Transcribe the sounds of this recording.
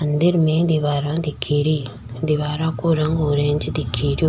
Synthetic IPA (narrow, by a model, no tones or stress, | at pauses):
ənd̪ɪɾmẽd̪ɪʋaːɾãːd̪ɪkʰːiːɾiː | d̪ɪʋaːɾãːkoɾɐ̃ŋɡoːɾẽːɲd͡ʒd̪ɪkʰːiːɾjoː